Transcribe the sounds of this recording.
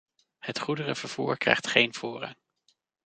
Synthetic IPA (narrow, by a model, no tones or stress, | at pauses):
hətχudərəvəɹv̥uːɹkrɛ̰jχtχejnv̥ʊːrɑ̰ŋ